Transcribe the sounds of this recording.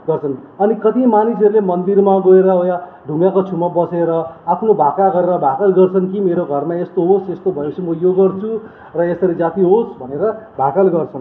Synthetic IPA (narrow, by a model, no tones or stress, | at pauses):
ɡʌrt͡sʰʌnʌnikʌt̪imanis̬ʌɾulemʌnd̪irmaɡʌeɾʌɦojaɖʱuŋɡakot͡sʰumabʌseɾʌapʰnobʱakaɡʌɾeɾʌbʱakalɡʌrt͡sʰʌnkimeɾoɡʱʌrmaest̪oɦosest̪obʱʌjt͡sʰumʌjoɡʌrt͡sʰu | rʌesʌɾid͡zat̪iɦosbʱʌneɾʌbʱakalɡʌrt͡sʰʌn